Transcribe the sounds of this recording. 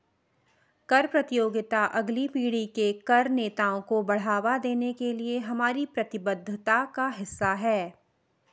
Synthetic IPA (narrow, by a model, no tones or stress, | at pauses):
kɐɾpɾɐt̪ɪjoːɡɪt̪aʔɐɡlipiːɽ̤ikekɐɾneːt̪aːõkobɐɽ̤aːʋad̪eːnekelieɦɐmaːɾipɾɐt̪ɪbəd̪ʱːt̪akaɦɪsːaɦɛː